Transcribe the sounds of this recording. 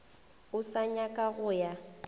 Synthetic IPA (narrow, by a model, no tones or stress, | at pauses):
ʊsaɲakʼaɣʊja